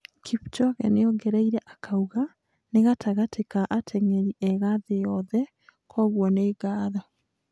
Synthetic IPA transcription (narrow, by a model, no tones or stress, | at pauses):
kʰipt͡ʃɔɣɛ̰nejɔɡɛɾaiɾɛʔakʰauɣa | neɣatʰaɣatʰekaʔatʰɛŋɛɾiʔɛɣaðejɔðɛ | kʰɔɣwɔneːɡaːðɔ